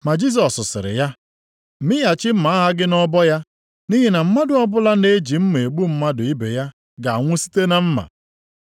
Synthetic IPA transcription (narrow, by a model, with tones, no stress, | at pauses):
ma˨d͡ʒi˦s̬ɔ˨sːʊ˨sɪ̰˨ɾɪ̰˨ja˦˨ | mɪ˦ja˨t͡ʃɪ˦m̩˦ma˨˦a˦ɦa˦ɡɪ˦nɔ˦bɔ˦ja˦ | ni˦ɦe˨na˨m̩˦ma˦dʊ˨ɔ˦bʊ˦la˦ne˦d͡ʒi˨m̩˦me˨k͡pu˦m̩˦ma˦dʊ˨i˦be˨ja˦ | ɡa˨a˨ŋʷʊ˦si̥˦te˦na˦m̩˦ma̰˨